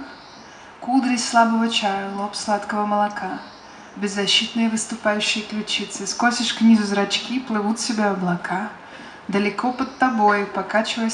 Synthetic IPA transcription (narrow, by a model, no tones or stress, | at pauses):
kud̪ɾʲɪsʲslˠabəvət͡ɕajəlˠopslˠat̪kəvəməlˠɐkʰa | bʲɪzːɐɕːit̪nɨjəvɨst̪ʊpajʉɕːɪjəklʲʊt͡ɕit̪sɨskosʲɪʂknʲizʊzɾɐt͡ɕkʲiplˠɨvut̪sʲɪbʲaɐblˠɐkʰa | d̪əlʲɪkopət̪ːɐbojʊpɐkat͡ɕɪvəj